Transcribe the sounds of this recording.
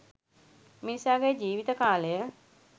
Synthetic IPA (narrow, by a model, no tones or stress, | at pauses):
minisaːɡejəd͡ʒiːʋit̪əkaːləjə